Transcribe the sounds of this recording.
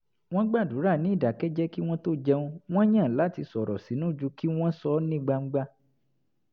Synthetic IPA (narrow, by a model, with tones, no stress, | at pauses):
w̃ɔ̃˦ɡ͡ba˦˨du˨˦ɾa˦˨nĩ˨˦i˦˨da˨˦kɛ˦d͡ʒɛ˦ki˦w̃ɔ̃˦to˦d͡ʒɛ˧ũ˦w̃ɔ̃˦j̃ã˦˨la˨˦ti˧sɔ˨ɾɔ˨si˨˦nũ˦˨d͡ʒu˧ki˦w̃ɔ̃˦sɔ˧˦nĩ˦ɡ͡ba˧ŋ͡m̩˦ɡ͡ba˦